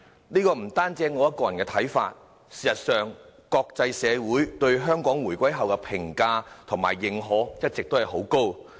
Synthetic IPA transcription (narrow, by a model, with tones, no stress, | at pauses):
niː˥kɔː˧m̩˨˩t̪aː˥nt͡sɛː˥ŋːɔː˨˧jɐ˥t̚kɔː˧jɐ˨˩nkɛː˧t̪ʰɐ˨˥jfa̰ː˧t̚ | siː˨˩sɐ˨t̚sœː˨ŋkɔː˧k̚t͡sɐ˧jsɛː˨˧wuː˨˥jt̪ɵ˧ɥɦœː˥ŋkɔː˨˥ŋwuː˨˩jkʷɐ˥jɦɐ˨wkɛ˧pʰɪ˨˩ŋkaː˧t̪ʰʊ˨˩ŋma̰ː˨˩jːɪ˨ŋɦɔː˨˥jɐ˥t̚t͡sɪ˨k̚t̪o˥hɐ˨jho˨˥wko˥w